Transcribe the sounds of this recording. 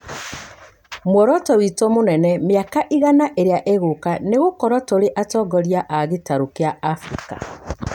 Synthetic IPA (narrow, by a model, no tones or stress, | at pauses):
mwɔɾɔtɔwitɔmonɛnɛmjakaʔiɣanaʔeɾeaʔeɣokaneɣokɔɾɔtoɾeʔatɔɡɔɾjaʔaɣetaɾokeaːfɾika̰